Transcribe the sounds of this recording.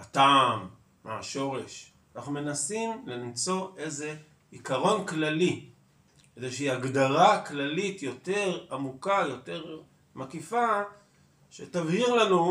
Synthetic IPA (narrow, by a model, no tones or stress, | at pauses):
ataːmː | ea̰ʃo̞ʁe̞ʃ | anaχnume̞nasimlimt͡so̞ʔe̞jze̞ | ikaʁo̞nklali | kedeʃeiaɡdaʁaklalitjo̞te̞ʁamukajo̞te̞ʁ | makifa | ʃḛtavhiʁlanu